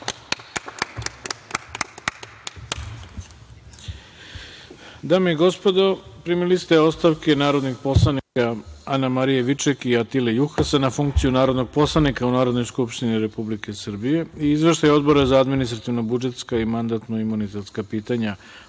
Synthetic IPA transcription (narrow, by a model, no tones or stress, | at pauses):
d̪aːmeiɡo̞spo̞d̪opɾimilist̪eo̞st̪aʋke̞naːɾo̞d̪niɡpo̞slˠanikaanamaɾijeʋit͡ʃekiat̪ilejuxasenafuŋkt̪sijunaːɾo̞d̪no̞ɡ̚po̞slˠanikaunaːɾod̪no̞jskupʃt̪iniɾe̞publike̞sr̩bije̞iizʋe̞ʃt̪ajo̞d̪bo̞ɾezaad̪minist̪ɾat̪iʋnobud͡ʒe̞t̪skaimand̪at̪noimunit̪et̪skapiːt̪aɲa